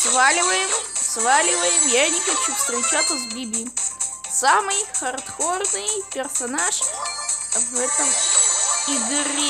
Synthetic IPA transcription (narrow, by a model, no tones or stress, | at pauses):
svalʲɪvəjɪmsvalʲɪvəjɪmjanʲɪxɐt͡ɕufst̪ɾʲɪt͡ɕat̪səvbʲibʲi | samɨjxɐrt̪xornɨjpʲɪrsɐnaʂ | vɛt̪əm | iɡɨɾʲi